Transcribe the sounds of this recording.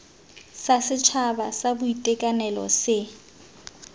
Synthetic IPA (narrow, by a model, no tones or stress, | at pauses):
sasɪt͡ʃʰabasabʊitʼɛkʼanɛlɔ̰sɪ